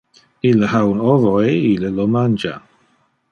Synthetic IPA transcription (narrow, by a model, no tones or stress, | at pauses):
iləhawnɔvɔeiləlɔmand͡ʒa̰